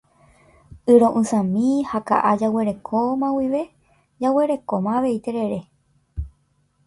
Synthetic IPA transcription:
ɨɾõ̞ʔɨ̃sãmĩhaka̰ʔad͡ʒawe̞ɾe̞kʰomãwiʋe̞ | d͡ʒawe̞ɾe̞ko̞mãaʋe̞it̪e̞ɾe̞ɾe̞

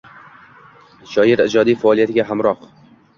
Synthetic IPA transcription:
ʃɒjɪɾɪd͡ʒɒd̪ijfaːlˠijat̪ʰɪɡʲaɦamɾɒq

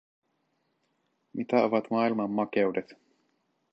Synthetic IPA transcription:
mʔit̪æo̞ʋɑt̪mɑilmɑmːɑkeudet̪

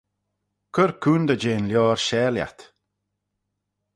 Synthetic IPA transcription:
kʰʊɾkʰuːnd̪əd͡ʒeːnljɔːɹʃɛːlja̰t̪

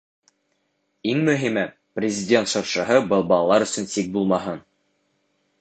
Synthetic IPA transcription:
iŋmɵ̆ɦimɘ | prʲɪzʲɪdʲe̞nt̪ʃɑɾʃɤ̆ɦɤbɤlˠbɑlˠɑlˠɑɾɵ̆sɵ̆nsik̚bulˠmɑɦɤn

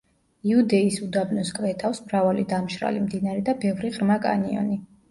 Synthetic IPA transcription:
iud̪ɛisud̪abnɔskʼvɛt̪ʰʼafsmɾavalid̪amʃɾa̰limd̪inaɾɛd̪abɛvɾiʁɾmakʼa̰niɔ̰ni

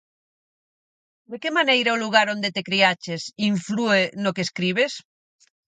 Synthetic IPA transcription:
d̪ekemanejɾaoluɣ̞aɾond̪et̪ekɾiat͡ʃesiɱfluenokeskɾiβ̞es

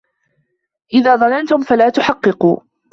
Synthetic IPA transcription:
ʔɪðaːðˤɑlɑnt̪ʊmfalaːt̪ʊħɑqːɨquː

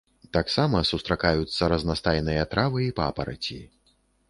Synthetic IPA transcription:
t̪aksamɐsust̪ɾakajut̪sːɐɾɐznast̪ajnɨjɐt̪ɾavɨipa̰pɐ̰ɾɐ̰t͡sʲi

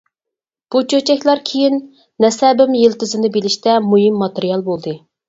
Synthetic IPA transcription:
b̥ut͡ʃʰøt͡ʃʰɛkʲlæɾkʲʰejinː | ɛsɛbɪmjelt̪ɪzɪnɪbelɪʃt̪ɛmuɦimːɑt̪eɾijɑlˠbolˠd̪ɨ

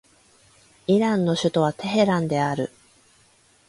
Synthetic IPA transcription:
iɾãnːo̞ɕɨt̪o̞βat̪e̞ɦe̞ɾãnd̪e̞aɾɯ̟

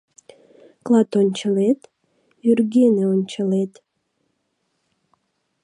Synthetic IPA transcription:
klɑt̪onʲt͡ɕəlet̪ | yrɡeneonʲt͡ɕəlet̪

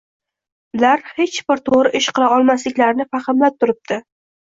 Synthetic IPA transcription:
ʊlaɾhe̞t͡ʃbɪɾt̪ʰoʁɾɪʔɪʃqɨlˠaɒlˠmaslɪkʲlaɾnɪfaχɨmlap̚t̪ʰːʊɾɪp̚t̪ʰɪ

